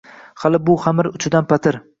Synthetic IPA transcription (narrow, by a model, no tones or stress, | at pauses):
halˠɪbʊχamɪɾʊt͡ʃʰɪd̪anpʰat̪ʰɪɾ